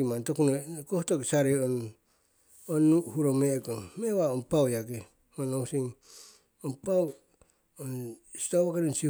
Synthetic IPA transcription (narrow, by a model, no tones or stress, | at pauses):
imantokunokohtoksaɾeon | onuhuɾomeɡommeβaonpawjaɡe | onowsiŋ | onpaw | onsi̥taβakaɾonsi